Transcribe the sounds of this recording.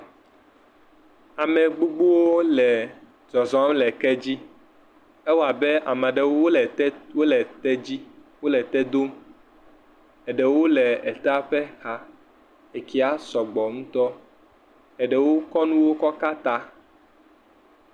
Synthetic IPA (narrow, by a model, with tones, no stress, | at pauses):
a˨mɛ̃˨ɡ͡bo˦ɡ͡bo˦wo˦lɛ˨ | d͡ʒɔ˨zɔ̃˨˦mlɛ˨kɛ˦d͡ʑi˦ | ɛ˦wo˦a˨be˦a̰˨mã˨ɖe˨wwo˦lɛ˨t̪ɛ˦d͡ʑi˦wo˦lɛ˨t̪ɛ˦d̪o˦m | ɛ˨ɖɛ˨wo˦lɛ˨ɛ˨t̪a˦ɸe˦xa˦ | e˨ki˦a˦sɔ˨ɡ͡bɔ˨ŋũ˦t̪ɔ˦ | ɛ˨ɖɛ˨wo˦kɔ˦nũ˦wo˦kɔ˦ka˦t̪a˦